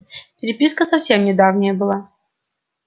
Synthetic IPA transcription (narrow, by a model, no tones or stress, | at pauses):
pʲɪɾʲɪpʲiskəsɐfsʲemnʲɪd̪avnʲɪjəbɨlˠa